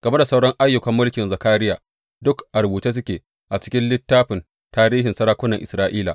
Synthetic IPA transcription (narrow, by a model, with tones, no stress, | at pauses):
ɡ̥ɐ˨me˦da˨sa˦wɽɐ˦ŋʔa˦jːʊ˨kɐ˨mːʊ˦lkʲɪ˨nza˨kaː˦ɾɪ˦jaː˨ | dʊ˦kʔa˨ɾbuː˨teː˦s̬ʊ˦kʲeː˨ | ʔa˨t͡ʃɪ̥˦kʲɪ˦nlɪ˦tːaː˦ɸɪ˨n | taː˦ɾiː˦ɦɪ˨nsɐ˦ɾaː˦kʷʊ˦nɐ˨ŋʔɪ˨sɾaː˦ʔiː˦la̰˨